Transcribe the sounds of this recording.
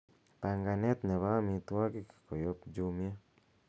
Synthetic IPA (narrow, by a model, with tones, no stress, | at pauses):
pa˨ŋɡa˨nɛ˦t̪nɛ˨βa˦mi˨t̪wa˦ki˦kkɔ˨jɔ˦pd͡ʒu˦mja˦